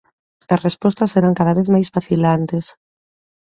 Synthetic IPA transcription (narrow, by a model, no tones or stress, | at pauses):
ɐsrespɔst̪ɐseɾaŋkaðaβeθmajsfaθilant̪es